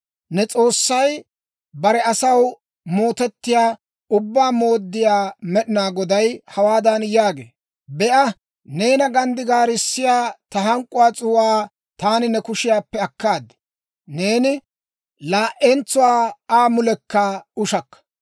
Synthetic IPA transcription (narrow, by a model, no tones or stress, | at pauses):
nɛt͡sʼo̞ːsːɐj | bɐɾɛɐsɐw | mo̞ːt̪ɛt̪ːɪjaː | ʊbːaːmo̞ːd̪ːɪjaːmɛɗɪnaːɡɔd̪ɐjhɐwaːd̪ɐnjaːɡḛː | bɛʔɐ | neːnɐɡɐnd̪ɪɡaːɾɪsːɪjaːt̪ɐɦɐŋkʼːʊwaːt͡sʼʊwaː | t̪aːnɪnɛkʊʃɪjaːpːɛɐkːaːd̪ɛ̥ | ne̞ːnɪ | laːʔɛnt͡sːʊwaːaːmʊlɛkːɐʊʃɐkːɐ̥